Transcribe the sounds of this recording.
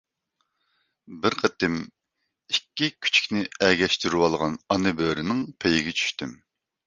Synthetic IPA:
bɪɾqʰət̪ɪm | ikʲːikʲʰy̥t͡ʃʰi̥kʲnɪɛɡʲɛʃt̪yɾywɑlˠʁɑnɑnɨbøːɾɪnɪŋpʰejɪɡʲɛt͡ʃʰy̥ʃt̪ym

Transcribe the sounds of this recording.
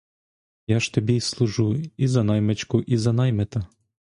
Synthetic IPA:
jaʃt̪ɔbʲislˠʊʒuizɐnɑjmet͡ʃkʊʔizɐnɑjmɛt̪ɐ

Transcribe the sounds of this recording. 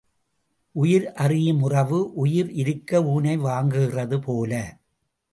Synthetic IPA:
ʔʊjɪɾʔɐrɪjɯmʊrɐʋɯʔʊjɪɾʔɪɾɯkːɐuːnɐɪʋaːŋɡɯɣɪrɐðɯpoːlɐ

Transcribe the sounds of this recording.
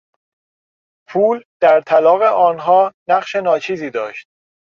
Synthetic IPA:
pʰuːld̪̥æɾt̪ʰælɒːɣe̞ʔɒːnɦɒːnæɢʃe̞nɒːt͡ʃʰiːziːd̪ɒːʃt̪̚

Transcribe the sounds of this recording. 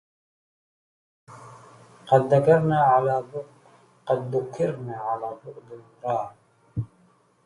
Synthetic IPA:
qɑd̪ːakɑɾˤnaːʕalaːbʊʔ | qɑd̪ːʊkʰːɪɾnaːʕalaːbʊʔd̪ɪlmʊɾɑːɾ

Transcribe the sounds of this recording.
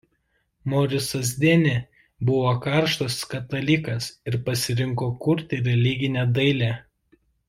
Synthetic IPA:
mɔɾʲɪsɐzʲd̪ʲeːnʲe | bʊʋoːkɑˑɾʃt̪oːskɐt̪ɐlʲɪkɐsɪɾpɐsʲɪɾʲɪŋkoːkʊɾʲt̪ʲɪɾʲɛlʲɪɡʲɪnʲɛd̪ɐɪlʲæː

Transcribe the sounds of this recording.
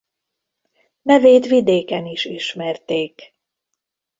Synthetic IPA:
nɛveːt̪ʋid̪eːkɛniʃiʃmɛrt̪eːk

